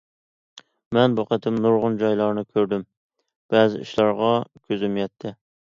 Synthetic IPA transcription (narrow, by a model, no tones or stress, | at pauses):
mɛnbuqʰət̪ʰɪmnʊɾʁʊnd͡ʒɑjlˠɑɾnɪkʲʰøɾd̪ɪm | b̥ɛzɪḭʃlˠɑɾʁɑkʲʰøzymjɛt̪ʰːɪ